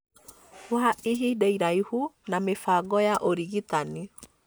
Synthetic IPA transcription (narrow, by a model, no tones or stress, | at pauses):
waʔiɦidɛiɾaihunamefaɡɔjaʔoɾiɣit̪ani